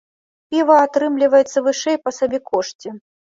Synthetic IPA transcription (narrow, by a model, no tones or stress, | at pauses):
pʲivɐat̪ɾɨmlʲivɐjɛt̪sːɐvɨʂɛjpɐsabʲɛkʰɔʂt͡sʲi